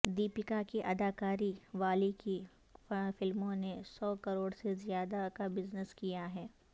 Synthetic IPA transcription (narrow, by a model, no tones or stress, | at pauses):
d̪iːpɪkakeʔɐd̪aːkaːɾiʋaːliki | fɪlmõnesɔːkɐɾoːɽsezijaːd̪akabɪznəskijaɦɛː